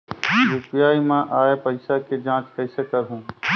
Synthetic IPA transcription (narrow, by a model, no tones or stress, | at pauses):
ɾupjaːimãʔaːepəɪsaked͡ʒãːt͡ʃkəɪsekəɾɦũː